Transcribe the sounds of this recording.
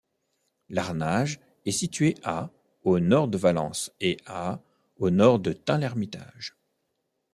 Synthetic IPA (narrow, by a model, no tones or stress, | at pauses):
laʁnaʒ | ɛsit̪ɥeʔa | onɔʁd̪əvalɑ̰̃sea | onɔʁd̪ət̪ɛ̃lɛʁmit̪a̰ʒ